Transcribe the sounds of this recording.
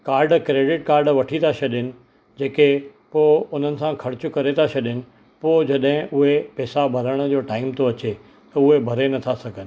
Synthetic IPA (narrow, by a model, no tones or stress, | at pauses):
kaːɾɖkɾeːɖɪʈkaːɾɖʋɐʈʰit̪ʰaʃɐɗɪnɪ̆ | d͡ʑeːkepoːʊn̤ənɪ̆sãkʰɐɾɪt͡ɕʊkɐɾet̪ʰaʃɐɗɪnɪ̆ | poːd͡ʑɐɗɦɪ̃ʔʊɦepɛːsabʱɐɾəɽ̃̆d͡ʑoːʈaːɪmt̪oɐt͡ɕe | t̪ɐʊɦebʱɐɾenɐt̪ʰasɐɡʱənɪ̆